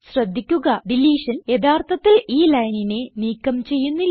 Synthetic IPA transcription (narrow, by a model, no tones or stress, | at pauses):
ɕrɐd̪ʱːikʲːuɣɐɖiliːʂɐnje̞d̪aːrt̪ʰɐt̪ːiliːlɐjnine̞niːkːɐmt͡ɕe̞jːunːi